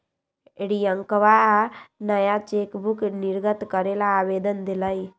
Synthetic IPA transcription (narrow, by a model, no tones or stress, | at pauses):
eɽijəŋkʋaanəjat͡ʃekbʱukniɾɡət̪kəɾelaːʋed̪ənd̪ilai